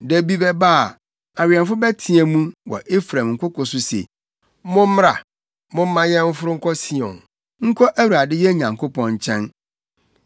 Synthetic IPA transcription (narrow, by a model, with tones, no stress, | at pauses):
dæ˨bi˦bɛ˦ba˦˨ | a˨wɪ˨ɛ̃˨nfʊ˦bɛ˦tʰĩ˨ɛ˨mũ˦wɔ̰˨ʔe˦fɾã˨mŋ̩˨kʰʷʊ˦kɔ˨sʊ˦sḛ˨˦ | mʊ̃˦m̩˦m˦ɾa˨ | mʊ̃˦m˦mã˦jɛ̃˦m̩˦fʊ˦ɾʊ˦ŋ̩˦kʰɔ˦si˦ɔ̃˨n | ŋ̩˦kʰɔ˦ʔæ˦wu˨a˨dɪ˦jɛ˦ɲã˨ŋkʰʊ˦pʰɔ̃˨ɲ̩˨t͡ɕʰɛ̃˦n